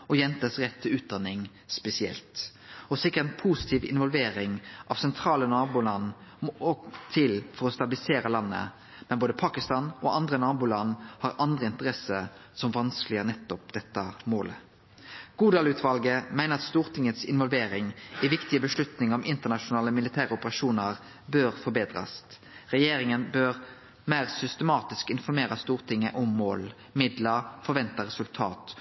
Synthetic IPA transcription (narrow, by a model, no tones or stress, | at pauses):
ɔjɛnt̪əsʁɛt̪ʰːɪlʉːt̪̚d̪ɑnɪŋ | spɛsɪɛ̰lt̪ | ɔsɪkːəʁnpʰusɪ̥t̪ʰiːʋɪ̰nʋɔlʋeːʁɪŋʔɑʋsɛnt̪ʰʁɑːlənɑːbʊlɑnmɔɔt̪ʰɪlfɔɾɔst̪ɑbɪlɪseːɾəlɑnːə̰ | mɛnboːd̪əpʰɑːkɪst̪ɑːnɔɑnd̪ʁənɑːbʊlɑnːhɑʁʔɑnd̪ʁəɪnt̪əʁɛsə | sɔmʋɑnsklɪənɛt̪ːɔpd̪ɛt̪ːəmoːlə | ɡ̥uːd̪ɑːlʉːt̪ʰʋɑlɡəmæɪnəʁɑt̪st̪uːʁt̪ʰɪŋət̪sɪ̰nʋɔlʋeːɾɪŋiʋɪkt̪ɪəbəʃlʉt̪nɪŋɔmʔɪnt̪əʁnɑʃʊnɑːləmɪlɪt̪ʰæːʁəɔpəʁɑʃuːnəʁ | bøːʁfɔbeːd̪ʁɑ̰s | ʁɛjeːɾɪŋənbøʁ | mæɪʁsʏst̪əmɑːt̪ɪskɪnfɔɾmeːɾɑst̪uːʁt̪ʰɪŋːə̰ʔɔmːo̰ːl | mɪd̪ləfɔɾʋɛnt̪ɑʁɛsʉlt̪ʰɑ̰ːt̪